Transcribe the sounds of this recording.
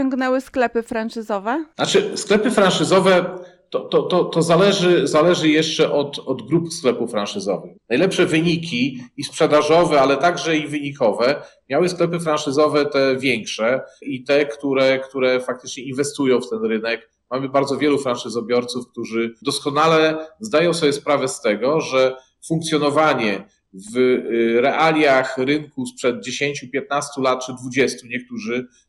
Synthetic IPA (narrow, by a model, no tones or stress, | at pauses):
ɔŋɡnɛwɘsklɛpɘfɾant͡ʂɘzɔvɛnat͡ʂɘsklɛpɘfɾanʂɘzɔvɛ | t̪ɔt̪ɔt̪ɔt̪ɔzalɛʐɘzalɛʐɘjɛʂt͡ʂɛʔɔt̪ɔd̪ɡɾupsklɛpufːɾanʂɘzɔ̰vɘxnajlɛpʂɛvɘɲikʲiispʂɛd̪aʐɔvɛalɛt̪aɡʐɛivɘɲikɔvɛmʲjawɘsklɛpɘfɾanʂɘzɔvɛt̪ɛvʲjɛŋkʂɛit̪ɛkt̪uɾɛkt̪uɾɛfak̚t̪ɘt͡ʂɲɛinvɛst̪ujɔ̃w̃ft̪ɛnɾɘnɛk | mamɘbaɾd̪zɔvʲjɛlufɾanʂɘzɔbʲjɔɾt̪sufk̚t̪uʐɘd̪ɔskɔnalɛzd̪ajɔ̃w̃sɔbʲjɛspɾavɛst̪ɛɡɔʐɛ | fuŋkt̪sʲjɔnɔvaɲɛ | vɾɛʔalʲjaxɾɘŋkuspʂɛd̪̚d͡ʑeɕeɲt͡ɕupʲjɛt̪̚nast̪ulat̪̚t͡ʂɘd̪vud͡ʑɛst̪uɲɛk̚t̪uʐɘ